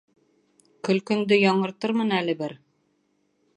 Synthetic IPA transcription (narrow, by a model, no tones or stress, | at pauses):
kɵ̆lkɵ̆nd̪ɘjɑɴɤ̆ɾt̪ɤɾmɤnælɘ̆bɘɾ